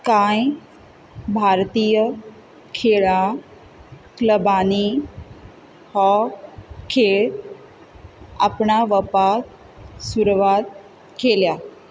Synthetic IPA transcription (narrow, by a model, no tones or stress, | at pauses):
kãːĩ | bʱaːɾt̪iːjə | kʰeːɭã | kləbaːni | hɔ | kʰeː | a̰pnaʋəpak̚ | suɾʋat̪̚ | kʰeːljaː